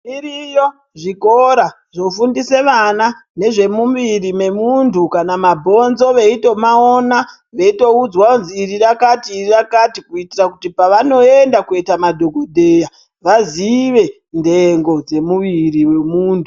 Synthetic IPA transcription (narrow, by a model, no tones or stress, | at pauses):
irijo | ʐikoɾa | ʐo̞fundise̞ʋana | ne̞ʐe̞mumʋirime̞muntʰukanamabʱo̞nzo̞ʋe̞ito̞maona | ʋe̞ito̞ud͡zwaonziːrirakatiːirakatikuitirakutipaʋano̞e̞ndakuetamadʱo̞ɡʱodʱeːja | ʋaziʋe̞ | nde̞ŋɡo̞d͡ze̞muʋiɾiwe̞muːntʰu